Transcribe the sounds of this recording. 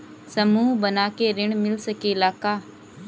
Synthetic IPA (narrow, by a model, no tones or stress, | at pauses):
səmuːbənaːkeɾɪɳ̃mɪlsəkeɪlaːkaː